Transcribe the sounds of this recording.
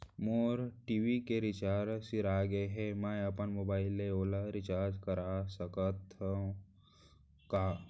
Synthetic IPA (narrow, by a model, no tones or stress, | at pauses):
moːɾʈiʋikeɾɪt͡ʃaːɾsɪɾaːɡeɦɛmajəpənmoːbaːɪleoːlaɾɪt͡ʃaːɾd͡ʒkəɾasəkət̪ | ka